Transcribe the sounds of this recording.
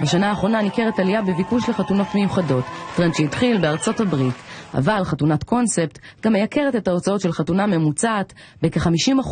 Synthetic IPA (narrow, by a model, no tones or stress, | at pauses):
baʃanaːχʁo̞nanike̞ʁetalijabevikuʃle̞χatuno̞tme̞juχado̞ttːʁenʃejidχilbeaʁt͡so̞tabʁita̰valχatunatkʰo̞nse̞pt | ɡamejakʰe̞ʁete̞tao̞t͡sao̞tʃe̞lχatuname̞mut͡saːt | bekeχamiʃimaχ